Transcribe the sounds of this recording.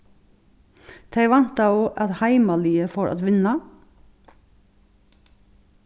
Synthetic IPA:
d̪̥ʰæɪʋɑnt̪ɑuːʔɑt̪hæɪmɑliːəfoːʔɑ̰t̪ʋɪnɑ

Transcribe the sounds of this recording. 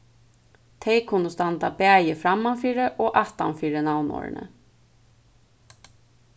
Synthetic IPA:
t̪ʰɛjkʰʊnːəst̪ant̪abæːjəfɾamːanfiːɾəʔɔːʔaht̪a̰mfiːɾɪnawnɔ̰ːɹɪ̰nə̰

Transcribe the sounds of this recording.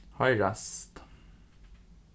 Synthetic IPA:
hɑɪɹæst̪

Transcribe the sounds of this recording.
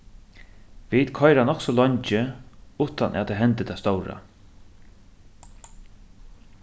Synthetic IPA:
vit̪kʰɔjɾanɔksɔlɔɲt͡ʃɪuːt̪anʔa̰t̪ʰɛɦɛnt̪ɪt̪ʰast̪ɔwɾa̰

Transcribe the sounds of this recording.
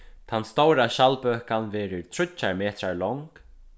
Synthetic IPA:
t̪ʰanːst̪owɾaɕalpøːkanvɛːɾɪɹt̪ʰɾʊt͡ʃːaɹmeːt̪ɾaɹlɔŋk

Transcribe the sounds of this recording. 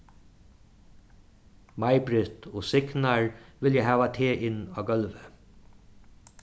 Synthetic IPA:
majbɾɪht̪ɔːsɪknaɹʋɪljæɦæːʋat̪ʰeːʔɪnaːɡœlʋə

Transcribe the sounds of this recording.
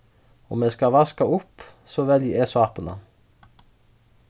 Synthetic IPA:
ɔmeːskɑʋɑskɑʊp | soːʋɛljəeːsʋɑːpənə̰

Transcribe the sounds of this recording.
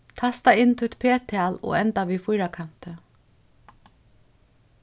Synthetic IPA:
t̪ʰast̪aɪnt̪ʰʊt̪pʰeːt̪ʰalɔ̰ːɛnt̪aʋifʊjɾakʰan̥t̪ɪ

